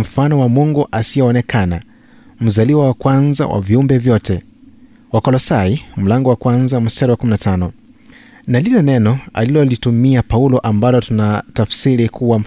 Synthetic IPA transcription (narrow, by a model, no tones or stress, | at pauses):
m̩fanɔwamuŋɡɔʔasiɛɔnɛkʰana | m̩zaliwawakwanza̰wʔa̰viumbɛvjɔtɛ | wakɔlɔsaim̩laŋɡɔwakwanzamustɛɾɔwakuminatʰanɔ | nalilɛnɛnɔa̰lilɔlitumiapaulɔʔambalɔtunatafsiɾikʰuwam̩